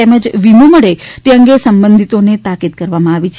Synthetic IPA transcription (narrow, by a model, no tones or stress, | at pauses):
eməd͡ʒʋimuməɭet̪eəŋɡesəmbənd̪ʱit̪onet̪akid̪̚kəɾʋamãaʋit͡ʃʰ